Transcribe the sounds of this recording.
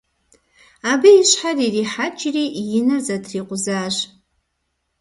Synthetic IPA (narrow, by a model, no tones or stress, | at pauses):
abiːʃħaririħat͡ʃʰʼriʔjɪnazatʰriqʷʼʊzaːʒʷ